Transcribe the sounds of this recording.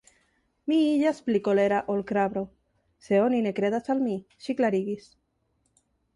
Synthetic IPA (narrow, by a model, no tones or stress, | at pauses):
miiʎasplikoleɾaʔolkɾaβɾo | seoninekɾeðasalmiʃiklaɾiɣis